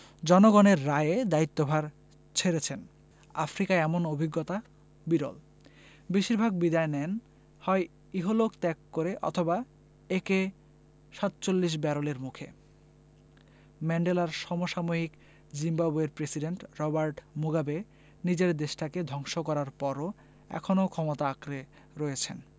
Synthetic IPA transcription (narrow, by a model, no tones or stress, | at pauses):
d͡ʑɔnoɡɔneɾːaeed̪ait̪ːobʱaɾ | t͡ɕʰeɾet͡ɕʰen | afɾikaeɛmonobʱiɡːot̪a | biɾo̰l | biʃiɾbʱaɡ̚bid̪aenɛn | hɔe | iɦolokt̪ɛkːoɾeʔɔ̰t̪ʰoba | eke | ʃat̪t͡ɕolːiʃ̬bɛɾoleɾmukʰḛ | mɛɳɖelaɾʃɔmoʃamoɦik | d͡ʑimbabueɾpɾesiɖeɳʈɾɔbaɾʈmuɡabe | nid͡ʑeɾd̪eʃʈaked̪ʱɔŋʃokɔɾaɾpɔɾo | ɛ̰kʰonokʰɔmot̪aakɾe | ɾɔjet͡ɕʰen